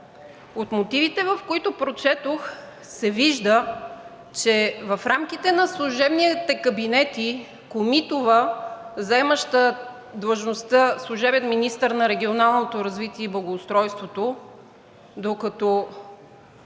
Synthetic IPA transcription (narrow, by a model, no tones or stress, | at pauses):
ot̪mot̪ivit̪ɛvɐfkoit̪opɾot͡ʃɛt̪ox | sɛviʒd̪ə | t͡ʃɛvɐfɾamk̟it̪ɛnɐslˠuʒɛbnit̪ɛkɐbinɛt̪i | komit̪ʊvəzɐɛməʃt̪ə | d̪vɐʒnost̪əslˠuʒɛbɛnminist̪əɾnɐɾɛɡʲionalˠnot̪oɾɐzvit̪iɛiblˠɐɡoːst̪ɾɔjst̪vot̪o | d̪okɐt̪ɔ